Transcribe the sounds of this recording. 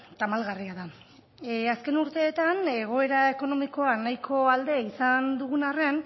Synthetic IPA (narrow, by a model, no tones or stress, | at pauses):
t̪amalɣariaða | aske̞nuɾt̪e̞ːt̪ane̞ɣ̞o̞e̞ɾae̞ko̞no̞miko̞anajkʰo̞ald̪e̞isand̪uɣunarean